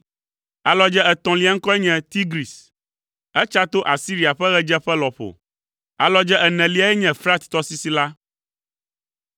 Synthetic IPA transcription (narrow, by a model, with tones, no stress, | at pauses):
a˨lɔ˦d͡ʒɛ˦ɛ˨t̪ɔ̃˨li˦a˦ŋ̩˦kɔ˦ɛ˦ɲɛ̃˨t̪i˦ɡɾi˨s | ɛ˦t͡ʃa˦t̪o˦ʔa˨si˦ɾi˦˨a˨ɸɛ˦ɣɛ˦d͡ʒɛ˦ɸɛ˦lɔ˨ɸo̰˨ | a˨lɔ˦d͡ʒɛ˦ʔɛ˨nɛ̃˨li˦a˨˦ɛ˦ɲɛ̃˨fɾa˦t̪t̪ɔ˦si˦si˦la˦